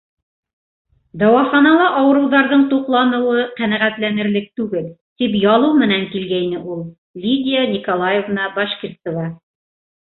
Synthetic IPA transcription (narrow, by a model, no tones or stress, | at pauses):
d̪ɑwɑχɑnɑlˠɑʔɑwɤ̆ɾɤ̆wðɑɾðɤɴt̪uqlˠɑnɤ̆wɤqænæʁæt̪lænɘ̆ɾlɘk̚t̪ʉɡɘlt̪ipjɑlˠɤwmɘ̆næŋkilɡæjnɘʔulˠ | lʲid̪ʲɪjanʲikolˠajevnɑbɑʃkʲirsɤ̆vɑ